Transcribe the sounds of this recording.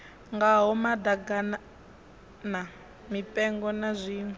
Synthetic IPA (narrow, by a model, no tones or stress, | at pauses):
ŋɡaɦɔmad̪aɡan | na | mipʼɛŋɡɔnazʷiːn